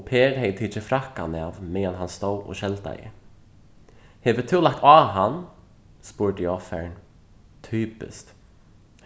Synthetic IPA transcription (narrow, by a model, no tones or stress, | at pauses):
pʰɛːɾhejt̪ʰiːt͡ʃɪfɾahka̰navmɛːjanɦanst̪oːwɔ̰ʃɛlt̪a̰jɪ̰ | hɛːvɪt̪ʰɪːlak̚t̪aːɦan | spuːɹd̪ɪjɔfɛ̰ɹn | t̪ʰyːpɪ̰st̪